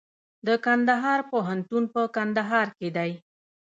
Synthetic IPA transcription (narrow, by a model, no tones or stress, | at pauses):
d̪əkand̪aɦɑɾpoɦant̪unpəkand̪aɦɑɾked̪aj